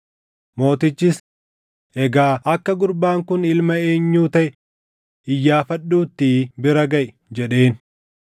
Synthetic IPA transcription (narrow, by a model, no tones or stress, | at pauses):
mo̞ːt̪ɪt͡ʃːɪs | ʔɛɡaːʔɐkːɐɡʊɾbaːŋkʊnɪlmɐeːɲːuːt̪ɐʔɪ | ʔɪjːaːfɐɗːuːt̪ːɪbɪɾɐɡɐʔ | d͡ʒɛᶑe̞ːn